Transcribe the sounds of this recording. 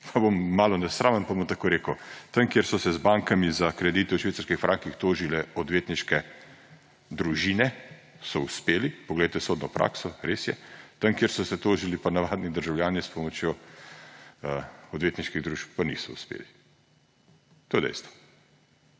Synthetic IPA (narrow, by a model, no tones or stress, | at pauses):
pʰabomːaːlɔnɛsɾaːmənpabomt̪akoɾeːkəwt̪ɐŋkjeɾsɔsɛzbaŋkamizakɾɛd̪iːt̪ɛwʃʋet̪saɾskixfɾʔaŋkixt̪oːʒilɛɔd̪ʋeːt̪niʃkɛ | d̪ɾuʒiːnɛ | sɔuspeːlipɔɡlɛjt̪ɛsoːd̪nɔpɾʔa̰ːksɔɾesjɛ̰t̪ɐmkjeɾsɔsɛt̪oːʒilipanaʋaːd̪nid̪əɾʒawljaːnispɔmɔt͡ʃjo | əɔd̪ʋeːt̪niʃkiɣd̪ɾuːʃp̚panḭsɔuspḛːli | t̪oːjɛd̪ɛ̰jst̪ʋɔ̥